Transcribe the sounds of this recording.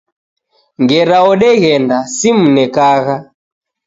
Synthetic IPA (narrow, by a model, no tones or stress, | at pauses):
ŋɡɛɾaɔɗɛɣɛndasim̩nɛkaɣa